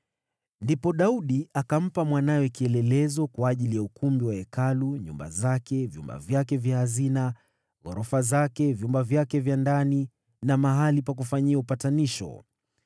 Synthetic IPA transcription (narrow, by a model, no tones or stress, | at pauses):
ndipɔɗauɗiakam̩pamwanajɛkiɛlɛlɛzɔkwaːʄilijaukumbiwaɛkaluɲṵmba̰zakɛvjṵmba̰vjakɛvjahazina | ɣɔ̰ɾɔfazakɛvjumbavjakɛvjandani | namaɦalipak̬ufaɲiaupataniʃɔ̰